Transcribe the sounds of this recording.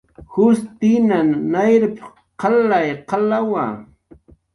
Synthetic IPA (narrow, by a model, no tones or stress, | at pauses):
hʊst̪inannajɾɪp | qɑlajqɑlawa̰